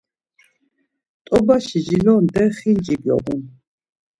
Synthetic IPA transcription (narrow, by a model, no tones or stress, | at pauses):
t̪ʼɔbaʃid͡ʒilɔnd̪ɛχind͡ʒibjɔ̰ʔun